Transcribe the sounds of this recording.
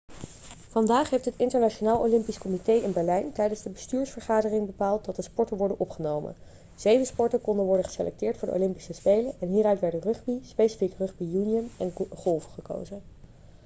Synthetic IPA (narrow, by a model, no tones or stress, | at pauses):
v̥ɑndaːχɦejftɦətɪntəɹnat͡ʃonaːlˠo̰wlɪmpiskomitejɪnbɛɹlɛjntɛjdənzdəbəstyːɹsfəɹχaːdərɪŋbəpaːlˠt̚dɑt̚dəspɔɹtəʋɔɹdənʔɔpχənowmə̰n | z̥ejvəspɔɹtəkɔndənʋɔɹdənχə̥selʔɛ̰k̚tɪːɹtfʊːɹdəʔo̰wlɪmpi̥səspejlənɛnɦiːɾœɥtʋɛɹdərɵχbispejsi̥fikrɵχbijuniənɛnχɔlˠfəχəko̰wzə